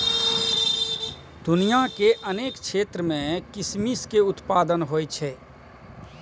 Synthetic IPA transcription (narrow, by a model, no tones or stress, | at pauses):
d̪ʊnijakeʔəneːkkʃʰeːt̪ɾəmẽkɪsmiskeʊt̪paːd̪ənɦoːjt͡ʃʰɛː